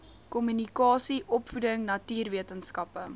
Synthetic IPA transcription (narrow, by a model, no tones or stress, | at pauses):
kɔmynikɑːsiʔɔpfudəŋnɐtiːrviətənskɐpə